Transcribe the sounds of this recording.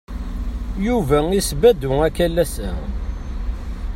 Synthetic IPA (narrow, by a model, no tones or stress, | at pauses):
juvæisbæd̪ʊækælːæsæ